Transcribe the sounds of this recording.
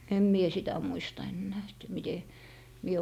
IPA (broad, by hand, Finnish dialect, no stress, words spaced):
em mie sitæ muistɑ enːæː et mite mie